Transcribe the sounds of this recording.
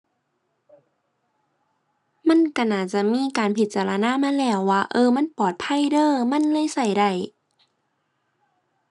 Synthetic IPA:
ma˧˥˨nka˧˩naː˧˩t̪̚t͡ɕa˧˩miː˧˥˨kaː˨npʰi˨˧˦t̪̚t͡ɕaː˨˩la˧naː˧˥˨ma˧˥˨nlɛː˧˩wːaː˧ʔɤː˧ma˧˥˨npɔː˨˩t̪̚pʰa˧˥˨jdɤː˧˨ma˧˥˨nlɤː˧˥˨jsa˧˩jda˧˩j

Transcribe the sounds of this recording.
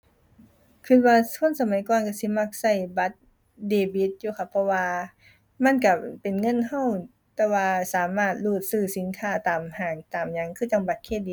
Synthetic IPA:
kʰɯ˧˩t̪̚waː˧sʰu˧˥˨nsa˧ma˨˦jkɔː˧˨nka˧˥˩si˧˦ma˧˥˩k̚sa˧˩jba˧˦t̪̚ | deː˧˩bi˧˦t̪̚juː˧˩kʰa˧˩pʰːɔ˧waː˧ | ma˧˥˨nka˧˩pe˨˩nŋɤ˧˥˨nha˧˥˨w | t̪ɛː˧waː˧saː˨˦maː˧˩t̪̚luː˧˩t̪̚sɯː˧˩si˨˦nkʰaː˧˩t̪aː˨˩mhaː˨˩ŋt̪aː˨˩mɲa˧˥˨ŋkʰɯː˧˩t͡ɕa˧˩mba˨˧˦t̪̚kʰeː˧˥˨diː˧˦

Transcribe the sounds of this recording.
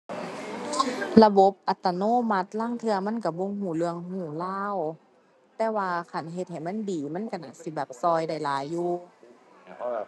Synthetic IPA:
la˧bo˧˦p̚ʔa˨˧˦t̪ːa˧noː˧˥˨ma˧˦t̪̚laː˧˥˨ŋt̪ʰɯ˧ɐma˧˥˨nka˧˩bo˧˨ŋhuː˧˩lɯ˧əŋɦuː˧˩laː˧˥˨w | t̪ɛː˧˥waː˧kʰa˧˩nɦe˧˦t̪̚ha˨˩jma˧˥˨ndiː˨˦ma˧˥˨nkʰa˧˩na˨˧˩si˧˦bɛː˨˩p̚sɔː˧jda˧˥˩jlaː˨˦jːuː˧

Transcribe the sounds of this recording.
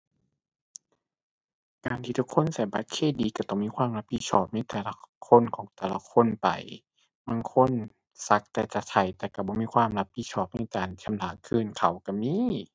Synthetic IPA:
kaː˨nt̪ʰiː˧t̪ʰu˧˦˥kʰːo˧˥˨nsa˨˧˩jba˧˦˥t̪̚kʰeː˧˥˩diː˨˦ka˧˩t̪ɔː˧˩ŋmiː˧˥˨kʰwaː˧˥˨mla˧p̚ʰi˧t̪̚sʰɔː˧˩p̚na˧˥˨jt̪ɛː˨˩la˧˦kʰo˧˥˨nkʰɔː˨˦ŋt̪ɛː˨˧˩la˧˦kʰo˧˥˨npa̰˨˩j | baː˧˥˨ŋkʰo˧˥˨n | sa˧˦˥k̚t̪ɛː˧t͡ɕa˧˩t̪ʰa˧˩jt̪ɛː˧˩ka˧˩bɔː˧˦miː˧˥˨kʰwaː˧˥˨mla˧˥p̚ʰi˧˥sʰɔː˧˩p̚na˧˥˩jtaː˨˩nt͡ɕʰa˧˨mlaː˨˩˦kʰɯː˧˩˨nkʰa˨˩wka˧˩miː˧˥˨

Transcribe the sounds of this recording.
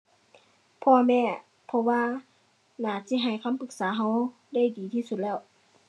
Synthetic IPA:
pʰɔː˧mɛː˧˩ | pʰɔ˧waː˧ | naː˨˩si˧˥˨ɦa˨˩jkʰa˧˥˨mpʰɯ˧˦k̚saː˨˦ɦa˧w | da˥˨jdiː˨˩t̪ʰiː˧˨su˧˩t̪̚lɛː˧˥˩w

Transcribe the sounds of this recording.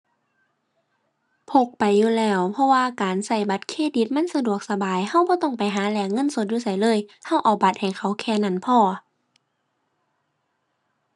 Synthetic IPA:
pʰo˧˩k̚pa˨jːuː˧˩lɛː˧˩wpʰɔ˧waː˧kaː˨nsa˧˩jba˧˦t̪̚kʰeː˧˥˨di˧˦t̪̚ma˧˥˨nsa˧du˧˨˩ək̚sa˧baː˨jha˧˩wbɔː˧˦t̪ɔ˧˥˩ŋpa˨jɦaː˨˦lɛː˧˩ŋɤ˧˥˨nso˧˦t̪̚juː˧˨sa˧˩jlɤː˧˥˨jha˧˥˨wʔaː˨˩ba˨˦t̪̚ha˨˩jkʰa˧˩wkʰɛː˧˩˨na˧˥˨npʰɔː˧˩

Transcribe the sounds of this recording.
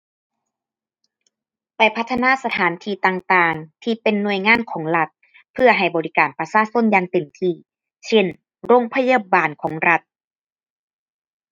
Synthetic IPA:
pa˨˩jpʰa˦˥t̪ʰːa˧naː˧˥˨sa˧t̪ʰaː˩˦nt̪ʰiː˧˩t̪aː˧ŋt̪aː˧ŋt̪ʰiː˧pe˨nːu˧˩əjŋaː˧˥˨nkʰɔː˩˦ŋla˧t̪̚ | pʰɯ˧ɐɦa˨˩jbɔː˨ɾi˦˥kaː˨˩npa˧saː˧˥˨so˧˥˨njaː˧ŋt̪e˨˩mt̪ʰiː˧˩ | sʰe˧˥˩n | ɾo˧˥˨ŋpʰa˧ja˧baː˨nkʰɔː˩˦ŋɾa˧t̪̚

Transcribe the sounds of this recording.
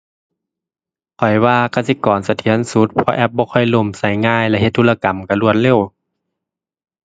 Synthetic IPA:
kʰɔ˨˩jwaː˧ka˧˩si˧˦kɔː˨˩nsa˧t̪ʰi˨˦ənsu˧˦t̪̚pʰɔ˧ʔɛ˧˥p̚bɔː˧˦kʰɔ˧˩jlo˧˩˨msa˧˩jŋaː˧˨jlɛ˧ʔhe˧t̪ʰːu˧˨la˧ka˨˩mka˧˩lu˧˩ət̪̚le˧˨w

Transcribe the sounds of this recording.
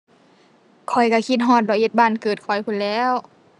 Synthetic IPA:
kʰɔ˨˩jka˧˩kʰi˧t̪̚ɦɔː˧˩t̪̚lɔː˧˩he˧˦t̪̚baː˧˩˨nkɤː˨˩t̪̚kʰɔ˨˩jkʰu˧˨nlɛː˧˥˨w

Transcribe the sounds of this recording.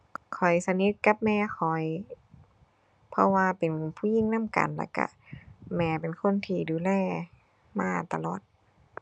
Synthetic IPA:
kʰɔ˨˩jsa˧ni˧˦˥t̪̚ka˧˦p̚mɛː˧˩xʰɔ˨˩j | pʰɔ˧waː˧pe˨npʰuː˧˥˩ji˧˩˨ŋna˧˥˨mka̰˨nla̰˧˩ka̰˧˩ | mɛː˧˩pe˨˩nkʰo˧˥˨nt̪ʰiː˧˩duː˨˩lɛː˧˩ | maː˧˩t̪a˧lɔː˨˩t̪̚

